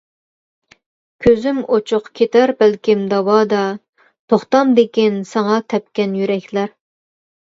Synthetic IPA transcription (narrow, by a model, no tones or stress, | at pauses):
kʲʰøzymot͡ʃʰʊqkʲʰet̪ʰæɾbælkʲimd̪ɑwɑd̪ɑ | t̪ʰoχt̪ɑmd̪ekʲinsɑŋɑt̪ʰɛp̚kʲɛnjyɾɛkʲlæɾ